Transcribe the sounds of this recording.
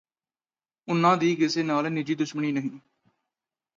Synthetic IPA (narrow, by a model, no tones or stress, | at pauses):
ʊnãːd̪iːkɪseːnaːlnɪd͡ʒiːd̪ʊʃməɳiːnəɦĩː